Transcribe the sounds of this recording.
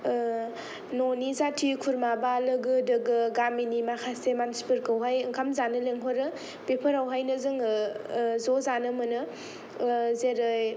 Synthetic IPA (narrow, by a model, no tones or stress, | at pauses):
nonizatʰikʰuɾmabalɯɡɯdɯɡɯɡaminimakʰasemanspɯɾkɯwɦajɯŋkʰamzanɯleŋɦoɾɯ | pepʰəɾawɦajnɯzɯŋɯzozanɯmɯnɯ | zeɾɯj